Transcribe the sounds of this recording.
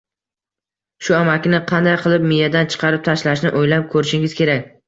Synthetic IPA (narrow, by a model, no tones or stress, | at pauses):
ʃʊamakʲnɪqʰɑnd̪ajqʰɨlˠɪp̚mɪjad̪ant͡ʃʰɨ̥qʰɑɾɪp̚t̪ʰaʃlaʃnɪʔojlap̚kʰɵɾɪʃɪŋɪz̥kʲʰe̞ɾakʲ